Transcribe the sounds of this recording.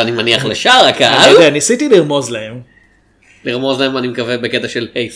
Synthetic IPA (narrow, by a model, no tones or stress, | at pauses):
animaniaχleʃaʁakaadeanisit̪iliʁmo̞zlahem | liʁmo̞zlahemanimekavebeket̪aʃelhejs